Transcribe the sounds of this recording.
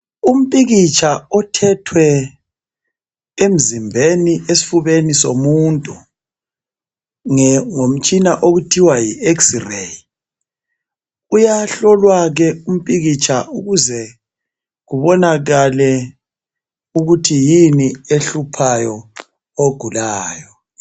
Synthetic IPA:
um̩pʼiɣit͡ʃʰʼaɔtʰɛtʰwɛ | em̩zimbʱeniesi̥fuβenisomuntʼu | ŋɛŋom̩t͡ʃʼinaʔoɣutʰiwajieksireji | ujaɬɔlwaɣ̬ɛum̩pʼiɣit͡ʃʰʼaʔuɣuzɛ | ɣuβɔnaɣalɛ | uɣutʰijinieɬupʰajɔ | oɡ̥ʱulaːjɔ

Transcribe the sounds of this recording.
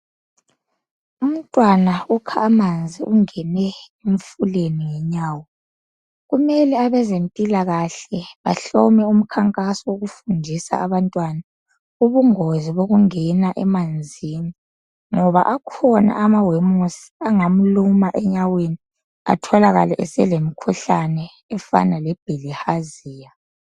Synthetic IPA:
um̩tʼwanaukʰaːmand͡zʱiʔuŋɛnɛeɱfuleniŋɛɲaːwɔ | ɣumɛlɛaβɛzentʼilaɣaɬɛβaɬɔmɛum̩kʰaŋkʼasɔwoɣufundʱisa̰aβantʼwana | uβuŋoziβoɣuŋɛnaʔɛmand͡zʱini | ŋɔβa̰ʔakʰɔna̰ʔamawemusi̥aŋam̩lumaʔɛɲaweni | a̰tʰɔlaɣalɛʔɛsɛlemikʰuɬanɛː | fa̰nalɛb̥ʱelihaziːja

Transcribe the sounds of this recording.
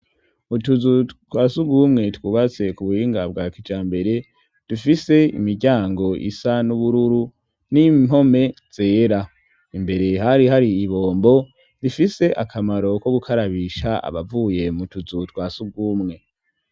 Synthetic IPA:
utuzutwaːsuɡumŋe̞twuːβat͡se̞kuβuhiːŋɡab̚ɡakid͡ʒaːmbe̞ɾe̞ | d̥ufise̞ḭmiɾɟaːŋɡo̞ʔḭsanuβuɾuɾu | nim̥ho̞me̞z̥e̞ːɾa | imbe̞ɾe̞ɦaɾihaɾiiβo̞ːmbo̞ | ɾifise̞ʔakʰamaɾo̞ko̞ɡukʰaɾaβiːʃaa̰βavuːje̞mutuzutkwaːsuɡuːmŋe̞

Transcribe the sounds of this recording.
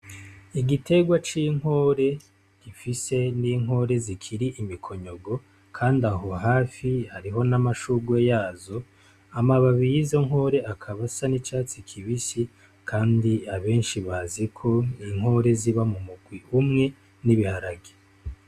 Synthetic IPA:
iɡitʰe̞ɡwat͡ʃiŋ̥ho̞ɾe̞ | ɡ̥ifise̞niːŋho̞ːɾe̞zikʰiɾiʔimikʰo̞ɲo̞ɡo̞ | kʰaːndaɦo̞ɦaːfihaɾiɦo̞namaʃuɡwejaːzo̞ | amaβaβijizo̞ŋho̞ːɾe̞akʰaβasanit͡ʃaːt͡sikʰiβisi | kʰaːndiaβe̞ːnʃiβazikʰo̞niŋ̥ɦo̞ːɾe̞ziβamumuɡwiʔumŋe̞ | niβihaɾaɡe̥

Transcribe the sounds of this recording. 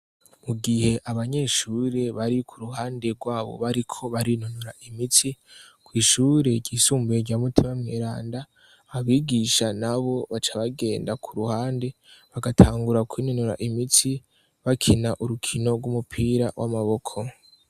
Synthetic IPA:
muɡihe̞ʔaβaɲe̞ʃuːɾe̞βaɾikʰuɾuhaːnde̞ɾɡwaːβo̞̰βaɾikʰo̞βaɾinunuɾaʔimiti | kwiːʃuːɾe̞ɟɟiːsuːmbuɟamutʰimamɲeɾaːnda | βiːɡiʃanaβo̞βat͡ʃaβaɡe̞ːndakʰuɾuhaːnde̞βaɡatʰaːŋɡuɾakwiːnonuɾa̰ʔimiti | βakʰinaʔuɾukʰino̞ɡwumupʰiːɾawʔa̰maβo̞kʰo̞

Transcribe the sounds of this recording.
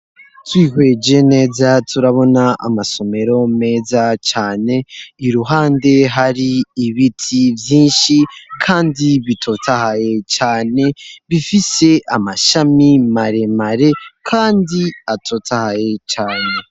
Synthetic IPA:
twiːhwe̞d͡ʒe̞ne̞ːzatʰuɾaβo̞naʔa̰maso̞me̞ɾo̞me̞ːzat͡ʃaːne̞iɾuɦaːnde̞ɦaɾiːβitʰivjiːnʃikʰaːndiβitʰo̞tʰahaje̞t͡ʃaːne̞βifise̞ʔamaʃamimaɾe̞maɾe̞kʰaːndiatʰo̞tʰahaje̞t͡ʃaːne̞

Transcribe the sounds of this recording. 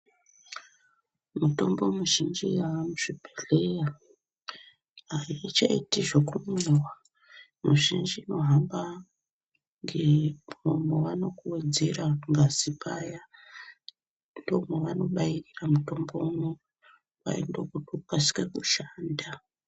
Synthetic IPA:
muto̞mbo̞muʒind͡ʒiaamuʐ̥ibʱeɮeja | ait͡ʃaḭtiʐekumuwa | muʒind͡ʒino̞ɦamba | ŋɡemomoʋano̞kuwed͡zeraŋɡazipaja | ndo̞moʋano̞ɓairiramuto̞mbomu | wa̰ḭndokutukwasi̥kekuʃaːnda

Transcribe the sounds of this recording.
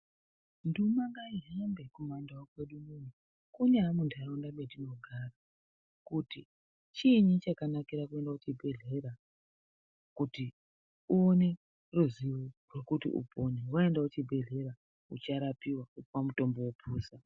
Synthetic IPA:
ndumaŋɡaiɦambe̞kumandawakwe̞ɗumun̤u | kuneɦamundaundamedino̞ɡʱara | kuti | t͡ʃiɲit͡ʃakanakiɾakue̞ndakut͡ʃibʱe̞ɮe̞ɾa | kuti | uone̞ | ruziworwe̞kutḭʔṵpʰonewae̞ndaut͡ʃibʱe̞ɮe̞ɾa | ut͡ʃaɾapiwaupwamuto̞mbo̞wopʰuːsa

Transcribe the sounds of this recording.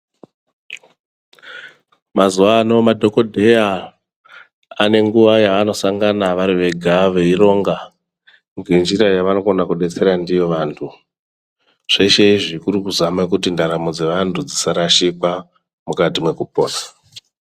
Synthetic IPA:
mazuʋano̞madʱo̞ko̞dʱeja | ane̞ŋɡuʋajaːno̞saŋɡanaʋaɾiʋe̞ɡʱaʋeiɾo̞ːŋɡa | ŋɡend͡ʒiɾajaʋano̞konakuɗe̞t͡se̞ɾandijo̞ʋantʰu | ʐ̥eʃeiʐikuɾikuzamak̬utindaɾamo̞d͡ze̞ʋantʰud͡zisaɾaʃikwa | mukatimwe̞kupo̞̰ːnḁ

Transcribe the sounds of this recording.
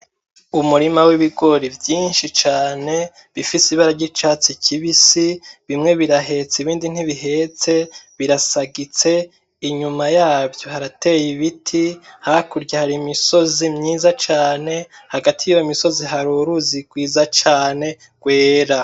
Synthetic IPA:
umuɾimawiβiɡo̞ɾivjiːnʃit͡ʃaːne̞ | βifisiβaɾaɾɟit͡ʃaːt͡sicʰiβisiβimŋe̞βiɾaɦe̞t͡siβiːndin̥hiβiɦe̞t͡se̞βiɾasaɡit͡se̞ | iɲumajaːvjo̞haɾate̞jiβitʰihakuɾɟahaɾimiso̞zimɲiːzat͡ʃaːne̞haɡatʰijujomiso̞ziɦaɾuɾuziɡwiːzat͡ʃaːne̞ | ɡ̥we̞ːɾa

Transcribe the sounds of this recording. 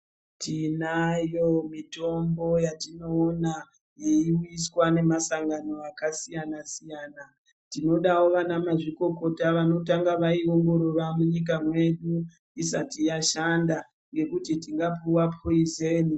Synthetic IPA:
tinajo̞mito̞mbo̞jatino̞ːna | jeiwiswane̞masaŋɡano̞akasijanasijaːna | tino̞ɗawo̞ʋanamaʐiko̞ko̞taʋano̞taŋɡaʋaio̞ŋɡo̞ɾoramuɲik̬amwe̞ɗu | isatijaʃanda | ŋɡe̞kutitiŋɡapuwapʰoizeni

